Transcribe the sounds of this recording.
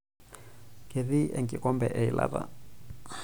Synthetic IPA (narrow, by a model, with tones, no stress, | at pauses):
kʰe˨ði˦ʔɛ˨ŋkʼi˨kɔ˦mbɛ˨ʔɛ˨i˨lʔa̰˦ɾa̰˨